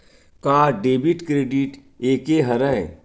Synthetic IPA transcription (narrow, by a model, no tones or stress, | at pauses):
kaːɖeːbiʈkɾeːɖiʈ | eːkeɦɐɾə̃